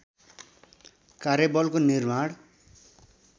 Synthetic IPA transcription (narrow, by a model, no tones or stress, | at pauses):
kaɾjebʌlkonirmaɽ